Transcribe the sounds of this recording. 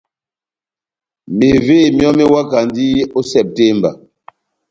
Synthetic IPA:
me˨veː˦˨mjɔ˦me˦wa˦ka˨ndi˦o˦sɛ˦˨p̚te˦mba̰˨

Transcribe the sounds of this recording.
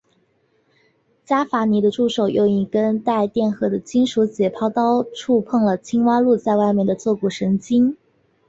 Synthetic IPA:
t͡ɕja˥fa˧˥ni˧˥d̪ə˧ʈ͡ʂu˥˩ʂo˨˩ʊjʔo˥˧ʊi˥˧˩kə˥nt̪a˥˧ɪt̪jɛ˥˩nxɤ˥˩d̪ə˨t͡ɕʰi˥ŋʂu˧˥t͡ɕjɛ˨˩pʰɑ˥ʊt̪ɑ˥ʊʈ͡ʂʰu˥˧pʰɤ˥˩ŋlə˩t͡ɕʰi˥ŋwa˥lu˥˧t͡sa˥˧ɪwa˥˧ɪmjɛ˥˩nd̪ə˩t͡swɔ˥˧ku˥˩ʂɤ˧˥ŋt͡ɕi˥n

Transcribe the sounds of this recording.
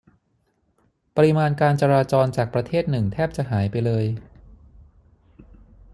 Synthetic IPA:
pa˧ɾi˦maː˧nkaː˧nt͡ɕa˧ɾaː˧t͡ɕɔː˧nt͡ɕaː˨˩k̚pɾa˧t̪ʰeː˥˩t̪̚nɯ˨˩ŋt̪ʰɛː˥˩p̚t͡ɕa˨˩ɦaː˩˦jpa˧jlɤː˧j

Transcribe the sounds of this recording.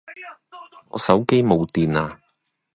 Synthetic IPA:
ŋɔ̰ː˨˧sɐ˨˥wke˥jmo˨˧wt̪iː˨naː˧

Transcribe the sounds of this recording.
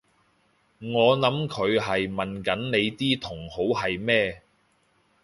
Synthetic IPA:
ŋɔː˨˧nɐ˨˥mkʰɵ˨˧ɥɦɐ˨jmɐ˨nkɐ˨˥nne˨˧jt̪iː˥t̪ʰʊ˨˩ŋho˨˥whɐ˨jmɛː˥

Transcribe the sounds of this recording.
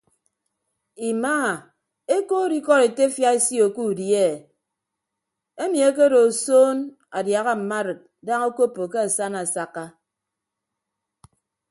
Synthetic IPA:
i˨maː˦˨ | e˦ko˦ɾi˦kɔ˦ɾe˨te˦fja˦i˦si˦o˨ku˦˨dje˦˨ | e˦mi˨e˦k̬e˦ɾo˨soː˦n | a˨dja˨ɣa˦m̩˨ma˦ɾɨ˨t̚ | da˦ŋo˦ko˦pːo˨ke˦a˨sa˦na˨sa˦kːa˦

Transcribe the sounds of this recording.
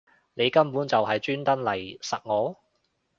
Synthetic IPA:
ne˨˧jkɐ˥mpuː˨˥nt͡sɐ˨wɦɐ˨jt͡ʃyː˥nt̪ɐ˥nlɐ˨˩jsɐ˨t̚ŋɔː˨˥

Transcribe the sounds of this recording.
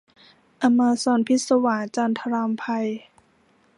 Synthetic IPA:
ʔa˧maː˧sɔː˧npʰi˦˥t̪̚sa˧waː˩˦nt͡ɕaː˧nt̪ʰa˧ɾaː˧mpʰa˧j

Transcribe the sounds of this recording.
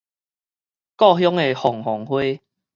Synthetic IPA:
kɔ˥˧ɦjɔ˦˥ŋe˨hɔ˨˩ŋhɔ˨˩ŋhwe˦

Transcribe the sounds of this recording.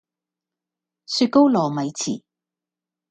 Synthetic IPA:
syː˧t̚ko˥wlɔː˨˩mɐ˨˧jt͡sʰḭː˨˩

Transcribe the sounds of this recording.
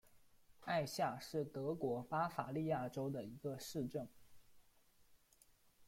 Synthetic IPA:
a˥˧ɪɕja˥˧ʂɻ̩˥˩t̪ɤ˧˥kwɔ˧˥pa˥fa̰˨˩li˥˧ja˥˩ʈ͡ʂo˥ʊd̪ə˨i˧˥ɡə˧ʂɻ̩˥˧ʈ͡ʂɤ˥˩ŋ

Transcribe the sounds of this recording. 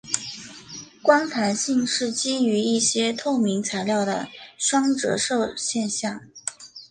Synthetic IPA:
kwa˥nt̪ʰa˧˥nɕi˥˧ŋʂɻ̩˥˩t͡ɕi˥y˧˥i˥˩ɕjɛ˥t̪ʰo˥˩ʊmi˧˥ŋt͡sʰa˧˥ɪljɑ˥˩ʊd̪ə̰˩ʂwɑ˥ŋʈ͡ʂɤ̰˧˥ʂo˥˧ʊɕjɛ˥˧nɕjɑ˥˩ŋ

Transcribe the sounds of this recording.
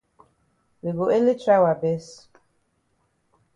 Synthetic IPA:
wi˨ɡo˨e˦li˦tɾa˦wa˨be˦s

